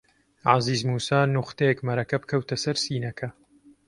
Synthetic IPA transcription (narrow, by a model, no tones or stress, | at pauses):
ʕa̰ziːzmuːsaːnʊqt̪eekmɐɾɐkɐbkʰɐwt̪ʰɐsɐɾsiːnɐkʰɐ